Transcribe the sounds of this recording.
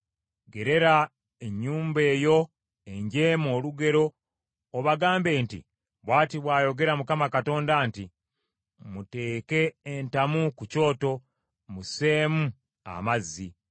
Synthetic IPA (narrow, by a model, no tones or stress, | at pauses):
ɡe̞ɾe̞ɾa | e̞ɲːuːmbe̞ːjo̞ | e̞ɲɟeːmo̞ːluɡe̞ɾo̞ː | βaɡaːmbe̞ːntḭ | βwaːtiβwaːjo̞ɡe̞ɾamukamakato̞ːndanti | mute̞ːke̞ːntamukuco̞ːto̞ | muse̞ːmu | a̰mazːi